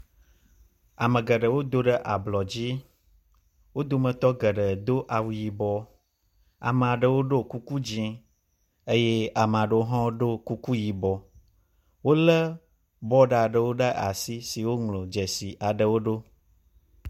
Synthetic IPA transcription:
a˨mə̃˨ɡə˨ɖə˨wo˦d̪o˦ɖə˦ʔa˨blɔ˨d͡ʑi˦ | wo˦d̪o˦mə̃˨t̪ɔ˦ɡə˨ɖə˨d̪o˦ʔa˨wu˨ji˨bɔ˦ | a̰˨mə˨a˨ɖə˨wo˦ɖo˦ku˦ku˦d͡ʑi˦ẽ˦ | e˦je˦a˨mə̃˨a˨ɖə˨wo˦ɦɔ̃˦ɖo˦ku˦ku˦ji˨bɔ˨ | wo˦lə˦ | bɔ˦ɖa˦˨a˨ɖə˨wo˦ɖə˦ʔa̰˨si˦si˨wo˦ŋlo˨d͡ʒɛ˨si˨ʔa˨ɖə˨wo˦ɖo˦

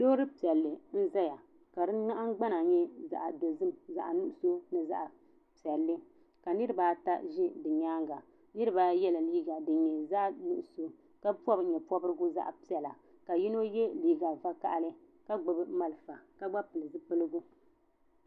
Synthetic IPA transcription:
do˦ɾɨ˦pi˨ɛ˨lːɨ˨n̩˦za˦ja˨ | ka˨dɨ˦ŋa˦ʔa˦ŋ˦ɡ͡ba˦na˨˦ɲɛ˦za̰˨ʔa˨do˨zɨ˦mza˨ʔa˨nu˦ʔʊ˨so˦nɨ˨za̰˦ʔa˨ | pi˨ɛ˨lːɨ˦ | ka˨nɨ˦ɾɨ˦baː˨˦ta̰˦ʒɪ˦dɨ˨ɲaː˦ŋɡa˨ | nɨ˦ɾɨ˦baː˦jɛ˦la˨liː˦ɡa˨dɨ˨ɲɛ˨za˦ʔnu˦ʔʊ˨so˦ | ka˦pɔ˦bɲɛ˨pɔ˦bɨ˦ɾɨ˦ɡʊ˦za̰˦ʔa˨pi˦ɛ˨la˨ | ka˨ji˦no˦jɛ˦liː˦ɡa˨va˦ka̰˦ʔlɨ˦ | ka˦ɡ͡bʊ˨bɨ˦ma˦lfa˨ka˦ɡ͡ba˦pɨ˨lɨ˨zɨ˦pɨ˦lɨ˦ɡʊ˦

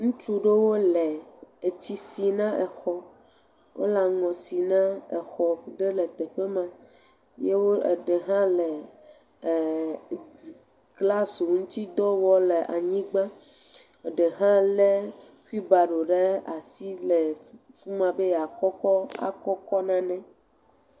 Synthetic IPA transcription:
ŋũ˦t͡ʃu˦ɖe˦wo˦le˨e˨t͡ɕi˦si˨nã˦ʔɛ˨xɔ˦ | wʔo̰˦la˨ŋɔ̃˨si˨nã˦e˨xɔ˨ɖe˦le˨t̪e˨ɸe˦mã˨ | je˦wo˦e˨ɖe˨ɦã˦le˨ | kla˦so˨ŋũ˦t̪i˦d̪ɔ˦wɔ˦le˨ʔa˨ɲĩ˦ɡ͡bã˦ | e˨ɖe˨ɦã˦le˦ | ki˦ba˨ɖo˨ɖe˦a˨si˦le˨ | fu˦mã˨be˦ja˨kɔ˦kɔ˦a̰˨kɔ˦kɔ˦nã˦nɛ̃˦

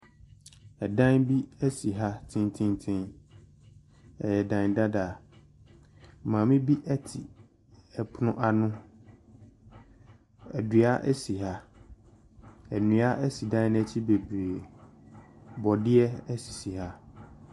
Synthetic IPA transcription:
ɛ˨dã˦nbi˦ɛ˦si˨ɦa˦tʰɪ̃˦ntʰɪ̃˦ntʰɪ̃˦n | ɛ̰˨jɛ˨dã˨n˨da˦da˨ | mãː˨mɪ̃˦bi˦ʔɛ˦tʰɪ˨ | ɛ˨pʰʊ˦nʊ̃˦ʔa˨nʊ̃˦ | ɛ̰˨dɥa˦ʔɛ̰˦si˨ɦa˦ | ɛ˨nũ˨a˦ʔɛ˦si˨dã˦n˦ɛ˦t͡ɕʰi˦be˨bɾe˨ | bɔ˨dɪ˦ɛ˦ɛ˦si̥˨si˨ha˦

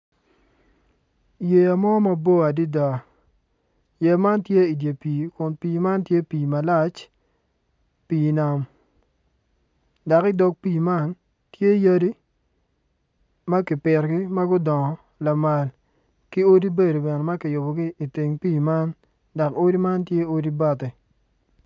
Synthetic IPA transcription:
je˨a˨mɔ˦ma˦bo˦a˨di˦da˨ | je˨ma˦ntje˦i˨dje˨piː˨kʊ˨npiː˨ma˦ntje˦piː˨ma˨la˦t͡ʃ | piː˨na˨m | da˨kɪ˦dɔ˨k̚pi˦˨ma˦n | tje˦ja˦di˦ | ma˦kɪ˨pɪ˨rɡɪ˦ma˦ɡʊ˦dɔ˨ŋɔ˨ | la˨ma˨l | kɪ˦o˦di˦be˦˨do˨bɛ˨nɛ˨ma˦kɪ˨jʊ˨bɔ˨ɡi˦i˨ti˨ŋpiː˦˨ma˦n | da˨ko˦di˦ma˦ntje˦o˦di˦ba˦tɛ˨

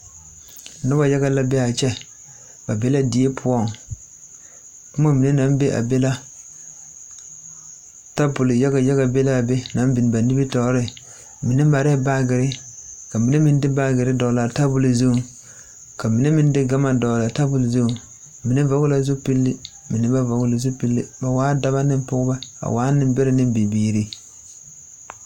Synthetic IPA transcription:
na˦ba˨ja˦ɡa˦la˦bɛ˦a˨t͡ʃɛ˦ | b̥a˨be˦la˦di˨˦e˦pʰʊ˨˦ɔ˦˨ŋ | kʊ˦ma˦mi˨ne˦na˨˦m˦be˦ʔa̰˨be˦la˦ | ta˦bʊ˨lɪ˨ja˦ɡa˨ja˦ɡa˨be˦la˦˨be˦na˨˦m˦bi˨n˨ba˨ni˦bi˦tɔ˨˦ɾɪ˦ | mi˨ne˦ma˨ɾɛ˦ba˦ɡɪ˨ɾɪ˦ka˨mi˨ne˦mɪ˨n˦dɪ˦ba˦ɡɪ˨ɾɪ˦dɔ˨la˨ta˦bʊ˨li˨zo˦˨ | ka˨mi˨ne˦mɪ˦n˦dɪ˦ɡa˦ma˨dɔː˨la˨ta˦bʊ˨lzo˦˨ | mɪ˨ne˦vɔ˨˦ɡʊ˦la˨zo˦pi˦lːɪ˦ | mɪ˨nɪ˦ba˦va˨ɡʊ˦la˨zo˦pi˦lːɪ˦ba˨waː˨˦da˦ba˦nɪ˦m˦pʊ˦ɡʊ˦ba˦a̰˨waː˨˦nɪ˦mbɛ˦la˨nɪ˦m˦bi˨biː˨ɾi˦

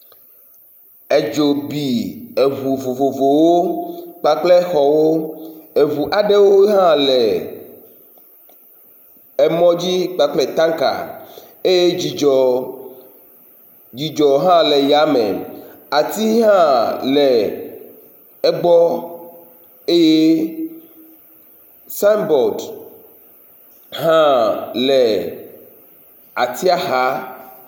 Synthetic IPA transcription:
e˨d͡ʒo˨bi˨e˨βu˨vo˨vo˨vo˨wo˦k͡pa˦k͡plɛ˦xɔ˨wo˦e˨vu˨ʔa˨ɖe˦wo˦ɦã˦le˨ | ɛ˨mɔ̃˦d͡ʑi˦k͡pa˦k͡plɛ˦t̪ã˦ŋka̰˨ | e˦je˦˨ | d͡ʒi˨d͡ʒɔ˨ɦã˦le˨ja˨˦mẽ˨ | a˨t̪i˦ɦã˦lɛ˨ | ɛ˦ɡ͡bɔ˦ | e˦je˦ | sa˦mbɔ˨d | ɦã˦lɛ˨ | a˨t̪i˦a˦xa˨˦

